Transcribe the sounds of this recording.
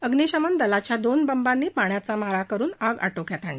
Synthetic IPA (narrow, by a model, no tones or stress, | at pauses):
əɡniɕəmand̪əlat͡ɕjad̪onbəmbãnːiːpaɳjat͡samaɾakəɾuːnaɡa̰ʈokjat̪aɳi